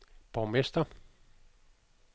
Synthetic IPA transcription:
pomːist̪ɑ

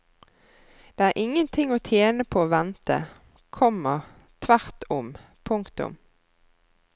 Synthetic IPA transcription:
d̪̥eːæːʁʔɪŋənt̪ʰɪŋoːt̪ʰjeːnəpʰoːoːʋɛnt̪ə̰ | kʰɔmːəʁ | t̪ʰʋæʁt̪ʊm | pʰʊŋkt̪ʊ̰m

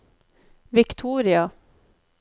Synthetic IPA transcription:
ʋɪkt̪ʰuːɾɪɑ

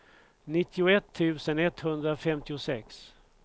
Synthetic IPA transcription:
nɪt̪ʰːɪʊɛt̪ʰːʉ̟ːsənɛt̪ːhɵnd̪ɾafɛmt̪ɪʊsɛks

